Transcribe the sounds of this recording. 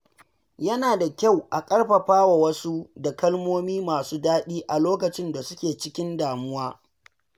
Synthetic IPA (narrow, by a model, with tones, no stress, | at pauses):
jɐ˦naː˨da˨kʲa˦˨wʔa˨kʼɐ˦rɸɐ˨ɸaː˦wa˨wɐ˦su˦da˨kɐ˦lmoː˦miː˦maː˨suː˦daː˦ɗiː˦ʔa˨loː˦kɐ˨t͡ʃɪ˦nda˨sʊ˦kʲeː˨t͡ʃɪ˦kʲɪ˦ndaː˨mʊ˦waː˦